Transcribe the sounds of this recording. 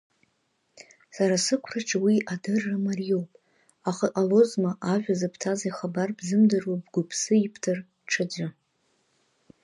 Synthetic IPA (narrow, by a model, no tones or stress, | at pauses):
saɾasɨkʷʰraʈ͡ʂʰʼawiʔadɨrːamarijo̞wpʼ | aχaʔalo̞zmaʔaʒᶣʷazapʰtʰazajχabarbzɨmdɨrubɡʷʊpʰsɨipʰtʰɨr | ʈ͡ʂʰɨd͡ʒʷa